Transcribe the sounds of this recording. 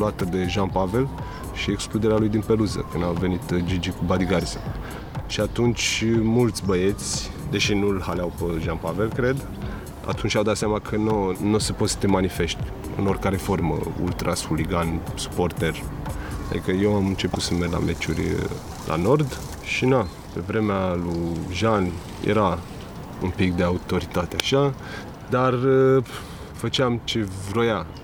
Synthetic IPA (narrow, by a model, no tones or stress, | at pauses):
luat̪əd̪e̞ʒanpave̞l | ʃieksklud̪eɾealujd̪inpe̞luzə̰kɨnamve̞nit̪d͡ʒid͡ʒikubad̪iɡarzə | ʃiat̪unt͡ʃʲmult̪sʲbəe̞t̪sʲd̪e̞ʃinulhaleawpəʒanpave̞lkɾe̞d̪ | a̰t̪unt͡ʃʲawd̪at̪seamakʰənonosepo̞t̪sə̥t̪emanife̞ʃt̪ʲ | ɨ̰no̞rʲkaɾe̞fo̞rmə̰ṵlt̪ɾʔasuliɡansu̥port̪erad̪ikəjewamɨnt͡ʃe̞put̪səmerʲla̰me̞t͡ʃurʲ | lʔa̰no̞rd̪ | ʃina | pe̞vɾe̞mealujʒan | jʔḛɾa | umpikd̪e̞aut̪o̞ɾit̪at̪eaʃa | d̪ar | fət͡ʃeamt͡ʃe̞vɾo̞ja